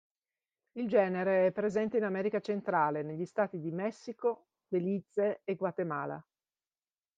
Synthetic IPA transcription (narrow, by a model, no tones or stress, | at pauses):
ild͡ʒɛːneɾeɛpːɾezɛnt̪einamɛːɾikat͡ʃent̪ɾaːleneʎːist̪aːt̪id̪imɛsːiko | d̪elit̪seeɡwat̪ema̰ːla̰